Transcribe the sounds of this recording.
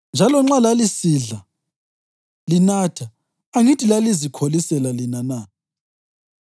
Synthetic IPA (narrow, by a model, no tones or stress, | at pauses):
nd͡ʒʱalɔŋ͡ǁalalisiɮa | linatʰaː | ŋitʰʼilalizikʰolisɛlalinana